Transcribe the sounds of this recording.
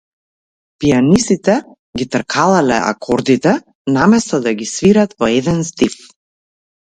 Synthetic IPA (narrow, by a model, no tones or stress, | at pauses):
pijanisit̪ɛ | ɡit̪ɾkʰalˠalɛ̰a̰kʰɔɾd̪it̪ɛ | namɛst̪ɔd̪aɡisviɾat̪vɔɛd̪ɛnst̪if